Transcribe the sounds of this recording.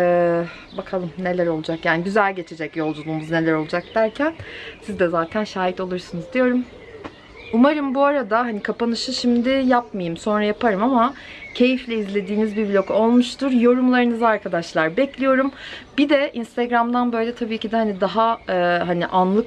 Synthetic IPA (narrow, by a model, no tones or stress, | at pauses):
ɛː | bakʰalˠɯmne̞lʲæɾo̞lˠud͡ʒakjaːniɟyzælʲɟe̞t͡ʃʰed͡ʒɛcjo̞lˠd͡ʒulˠuːmuzne̞lʲæɾo̞lˠud͡ʒak̚d̪̥æɾcʰænsizd̪ɛzaːt̪ʰænʃaːɦit̪o̞lˠuɾsɯnɯzd̪ijo̞ɾum | umaɾɯmbuaɾad̪aɦanikʰapanɯʃɯʃimd̪ɪjap̚majɯmso̞nɾajapʰaɾɯmamacʰe̞jiflʲɛizlʲe̞d̪iːnizbibilʲo̞ko̞lˠmuʃt̪ʰuɾjo̞ɾumlˠaɾɯnɯzɯaɾkʰad̪aʃlˠaɾbɛclʲijo̞ɾumbid̪ɛinst̪ʰeɡɾamd̪anbø̞jlʲɛt̪ʰabiːcʰid̪ɛhanid̪aɦaɯːɦaniʔanlˠɯk